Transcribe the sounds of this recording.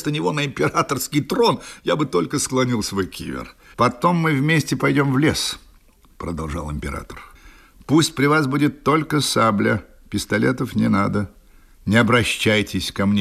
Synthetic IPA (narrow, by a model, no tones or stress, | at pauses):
st̪ənʲɪvo̞nəɪmʲpʲɪɾat̪ərskʲɪjt̪ɾo̞njabɨt̪o̞lʲkəsklˠɐnʲilˠsvojkʲʰḭvʲɪ̰rpɐt̪o̞mːɨvmʲesʲtʲɪpɐjdʲo̞mvlʲes | pɾəd̪ɐlˠʐɑ̰lˠɪmʲpʲɪɾa̰t̪ər | pusʲtʲpɾʲɪvasbudʲɪt̪ːo̞lʲkəsablʲə | pʲɪst̪ɐlʲet̪əfnʲɪnad̪ə | nʲɪɐbɾɐɕːæjtʲɪsʲkɐmnʲe